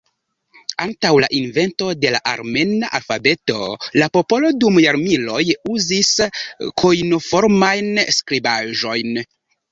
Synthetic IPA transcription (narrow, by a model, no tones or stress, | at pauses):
antawla̰ʔinve̞nto̞de̞laʔa̰ɾme̞naʔalfabe̞to̞̰lapo̞po̞lo̞dumjaɾmilo̞juziskʰojnofo̞ɾmajnskɾibaʒo̞jn